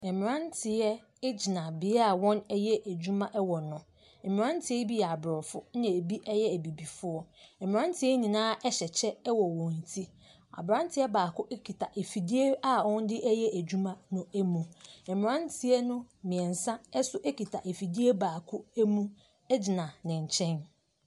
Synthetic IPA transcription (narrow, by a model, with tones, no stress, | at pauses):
ɛ˨mɪ̃˨ɾã˦ntʰɪ˨ɛ˦ | d͡ʑi˨nã˨bɪ˨˦a˨wɔ̃˦nɛ˦jɛ˦ʔæ˨d͡ʑᶣu˦mã˦ʔɛ˦wɔ˨nʊ̃˨ | ɛ˨mɪ̃˨ã˦n˦tʰɪ˨˦ɛ˦bi˦jɛ˨a˨bɾɔ˨fʊ˦ã˨e˨bi˦ʔɛ˦jɛ˦æ˨bi˨bi˨fʊ˦ɔ˦ɛ˨m̃˨ã˦n˦tʰɪ˦ɛ˦ɲĩ˨nãː˦ʔɛ˦ɕɛ˨t͡ɕʰɛ˦ɛ˦wɔ˨wɔ̃˨n˨tʰi˦ | a̰˨bɾã˦n˦tʰɪ˦ɛ˦baː˨kʊ˦ʔɛ˦kʰi˨tʰa˨ʔe˨fi˨di˦e˦a˦wɔ̃˦n˦dɪ˦ʔɛ˦jɛ˦ʔæ˨d͡ʑu˦mã˦nʊ̃˦æ˦mũ˨m̩˨mɪ̃˨ɾã˦ntʰɪ˨ɛ˦nʊ̃˦mĩ˨ɛ̃˨n̩˨sã˦ɛ˦sʊ˦ʔɛ˦ki˨tʰa˨ʔe˨fi˨di˦e˦baː˨kʰʊ˦æ˦mũ˦ | ɛ˦d͡ʑi˨nã˨nɪ̃˨ɲ̩˨t͡ɕʰɛ̃˦n